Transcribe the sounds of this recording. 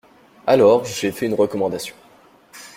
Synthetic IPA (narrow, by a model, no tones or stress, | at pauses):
alɔʁʒefɛynʁəkɔmɑ̃d̪asjɔ̃